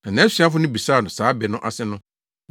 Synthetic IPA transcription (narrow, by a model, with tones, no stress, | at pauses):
ã˨nɛ̃˨˦si˨˦a˦fʊ˦nʊ̃˦bi˨saː˦˨nʊ̃˨saː˨˦bɛ˨nʊ̃˦ʔa̰˨sɪ˦nʊ̃˦